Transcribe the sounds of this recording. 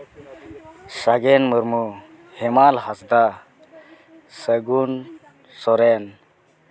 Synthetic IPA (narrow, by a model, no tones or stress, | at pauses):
ɕaɡenməɾmu | hemalhasd̪a | səɡun | sɔɾen